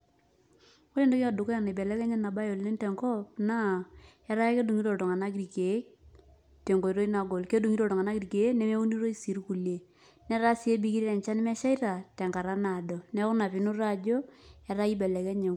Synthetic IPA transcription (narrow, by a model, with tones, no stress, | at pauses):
ko˦e˦ndo˦ke˦a˨du˨ko˦ja˨na˨bɛ˨lɛ˦kɛ˦ɲɛ˦na˨ba˦jo˨lne˦ntɛ˨ŋkɔ˦p̚na˦˨ | ɛ˦ɾa˦ke˦du˨ŋi˦to˨to˨ŋa˨na˦ɡɾi˨ke˨˦ | te˨ŋɡo˨i˨ɾo˦i˦na˨ɡo˨lke˦du˨ŋi˦ɾo˨tɔ˨ŋa˨na˦ɡi˨ɾi˨ke˨˦nɛ˨˦me˦u˦ni˦ɾo˦i˦si˨ɾku˨le˨ | nɛ˦ɾa˦si˨e˦bi˦ki˦ɾi˦ɾɛ˨ɲt͡ʃa˦n˦mɛ˦ʃa˦i˦ɾa˨tɛ˨ŋka˨ɾa˦na˨do˨nɛ˦kʊ˦na˨pi˨nu˦ɾa˦˨d͡ʒo˦ɛ˨ɾa˦i˦bɛ˨lɛ˨kɛ˦ɲe˨